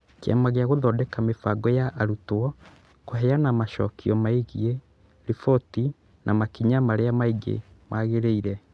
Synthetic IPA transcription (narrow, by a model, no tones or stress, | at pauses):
kea̰maɣeaɣoðɔdɛkamefaɡɔjaʔaɾutwɔ | koɦɛjanamaʃɔ̰kʰiɔmaiɣie | ɾifɔti | nʔamakiɲamaɾeamaiɡḛmaɣeɾeiɾɛ